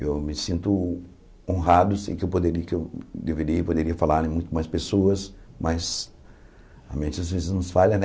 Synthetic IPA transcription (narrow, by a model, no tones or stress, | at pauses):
ewmɪsĩnt̪ʊ | õɦad̪ʊsḛ̃kɪewpod̪eɾiɐkɪewd̪eveɾiɪpod̪eɾiɐfalaɾẽmũj̃t̪ʊmajspesoɐs | mɐz | ɐ̰mẽnt͡ʃɪɐzvezɪznʊ̃sfalɐ̃n